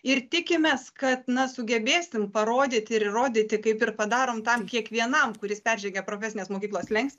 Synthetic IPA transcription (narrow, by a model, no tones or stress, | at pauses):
ɪrt̪ʲɪkʲɪmʲeːskɐt̪nɐsʊɡʲɛbʲeːsʲɪmpɐɾoːd̪ʲɪːt̪ʲɪɾroːd̪ʲɪːt̪ʲɪkɐɪpɪrpɐd̪ɑːɾoːmt̪ɐmkʲiɛkʋʲiɛnɐmkʊɾʲɪspʲɛrʲʒʲɛɡʲɛpɾoːfʲɛsʲɪnʲeːsmoːkʲiklˠoːslʲɛŋksʲt̪ʲ